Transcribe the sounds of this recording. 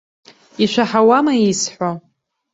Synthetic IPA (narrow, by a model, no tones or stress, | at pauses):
iʃʷaħawamaisħʷa